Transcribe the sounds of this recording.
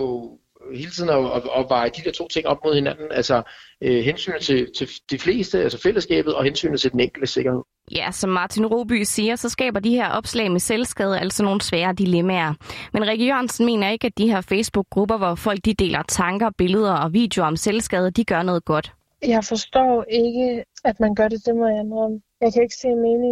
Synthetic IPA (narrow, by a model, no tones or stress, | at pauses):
o | he̝ːlət͡sʰið̰ˠn̩ɒɒʋɑ̈ɪd̥id̥eɐt͡sʰo̝̰ːt͡sʰe̝ŋɒ̽b̥̚mo̝ð̞̰ˠhe̝nænn̩ælsɒøɦensy̰ːn̩ˠt͡sʰe̝t͡sʰe̝d̥ifle̝̰ːsd̥əælsɒfeləsɡ̥ɛ̰ːb̥ð̩ˠɒ̽hensy̰ːnð̩t͡sʰe̝d̥eneŋɡ̥l̩d̥əse̝ɡ̥ɐhe̝ð̰ˠjæsɒ̽mːɑ̈ːt͡sʰinʁo̝̰ːb̥y̰siːɐsɒ̽sɡ̥ɛ̰ːb̥ɐd̥iheɐʔɒ̽b̥slɛ̰ɪmeselsɡ̥ɛð̞ˠæl̰̥sɒ̽no̝ːn̩sʋɛːɐːd̥ilemæɐmenʁɛɡ̥əjøɐnsən̩me̝̰ːnɐe̝ɡ̥æd̥̚iheɐ̰feɪsb̥uɡ̥̚ːʁub̥ɐʋɒfɒ̽l̰ɡ̥̚d̥id̥e̝̰ːlʔɐt͡sʰɑ̈ŋɡ̥ɐb̥e̝ləð̞ˠɐɒ̽ʋḭːd̥eo̝ɒ̽mselsɡ̥ɛð̞ˠɐd̥iɡ̥ɶɐnɔ̽ːðˠɡ̥ɒ̽d̥ | jɑɪfɒsd̥ɔ̰ːe̝ɡ̥əæd̥mænɡ̥ɶɐde̝d̥emeænam | jɑ̈ɪkʰæe̝ɡ̥əse̝̰ːnme̝ːnɪ̝ŋ